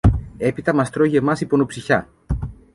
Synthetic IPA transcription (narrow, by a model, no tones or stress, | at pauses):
e̞pit̪ɐmɐst̪ɾo̞ʝemɐsipo̞nopsiçɐ